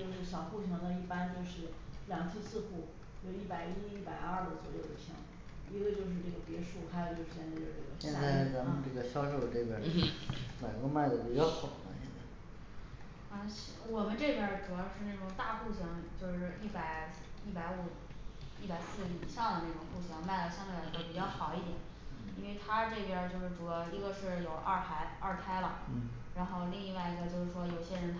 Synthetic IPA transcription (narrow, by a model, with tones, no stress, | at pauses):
t͡ɕjo˥˧ʊʂɻ̩˥˩ɕjɑ˨˩ʊxu˥˩ɕi˧˥ŋt̪ə˧i˥˩pa˥nt͡ɕ̪o˥˧ʊʂɻ̩˥˩ljɑ˨˩ŋt̪ʰi˥sɹ̩˥˧xu˥˩ | jo˨˩ʊi˥˩pa˨˩ɪi˥i˥˩pa˨˩ɪɐ˥˩d̪ə˩t͡swɔ̰˨˧˦jo˥˩ʊd̪ə˧˩ɕʰḭ˧˥ŋ | i˧˥ɡə˧t͡ɕjo˥˧ʊʂ̬ɻ̩˥˧ʈ͡ʂɤ˥˩ɡə˩pjɛ˧˥ʂu˥˩xa˧˥ɪjʊt͡ɕjo˥˧ʂɻ̩˥˩jɛ˥˧nt͡sa˥˧jo˥˧˩ʈ͡ʂə˥˩ɡə̰˩ɕjɛ˥˧˥t͡sa˥˩ɪ˥t͡sa˧˥nmə˧nʈ͡ʂɤ˥˩ɡə˩ɕjɑ˥ʊʂo˥˧ʊd̪ə˩ʈ͡ʂɤ˥˩pʰɛ˥˩˥ma˨˩ɪkɔ˧˥ma˥˩ɪd̪ə˩t͡ɕu˥˧jɑ˥˩ʊxɑ˨˩a̰˥ɕɛ˥˧nt͡sa˥˩ɪ | ə˧ɕwɔ˨˩mə˦nʈ͡ʂɤ˥˩pjɛ˧˩ʈ͡ʂu˨˩jɑ˥˧ʊʂɻ̩˥˧na˥˩ʈ͡ʂʊ˨˩ŋt̪a˥˧xu˥˩ɕjɑ˧˥ŋt͡ɕjo˥˧ʊʂɻ̩˥˧i˥˩pa˧˩ɪi˥˩pa˧˥ɪu˨˧˩ | i˥˩pa˨˩ɪsɹ̩˥˩i˨˩ɕɑ˥˩ŋd̪ə˩na˥˩ʊ˨˩ŋxu˥˩ɕjɑ˧˥ŋma˥˩ɪlə˩ɕjɑ˥˧ŋa˥˩˧ɡə˧˥˩pi˨˩t͡ɕjɑ˥˩ʊxɑ˨˩ʊi˥˩t̪jɛ˨˩˦n | i˥nwe˥˧ɪt̪ʰa˥ʈ͡ʂɤ˥˩pjɛ˧t͡ɕjo˥˧ʊʂɻ̩˥˩ʈ͡ʂu˨˩jɑ˥˧ʊi˧˥ɡə˧ʂɻ̩˥˩jo˨˩ʊʔa˥˩xa˧˥ɪɐ˥˩t̪ʰa˥ɪlə˨˥˩ɻa˧˥nxo˥˧ʊli˥˧ŋi˥˧wa˥˧ɪi˧˥˩ɡə˧t͡ɕjo˥˧ʊʂɻ̩˥˩ʂwɔ˥jo˨˩ʊɕjɛ˥ɻə˧˥nt̪ʰ